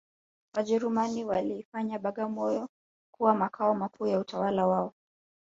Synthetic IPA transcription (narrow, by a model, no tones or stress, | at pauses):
waʄɛɾumaniwaliːfaɲaɓaɠamɔjɔ | kuwamakʰaɔmakʰuːjautawalawaɔ